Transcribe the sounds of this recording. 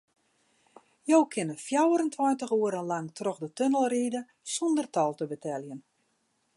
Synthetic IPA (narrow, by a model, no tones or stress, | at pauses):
jowkʰɪnəfjawəɾəntʰwɔjntəxuːəɾənlaŋtrɔxdətønəlˠriːdə | sɔndərtɔlˠtəbətʰɛljən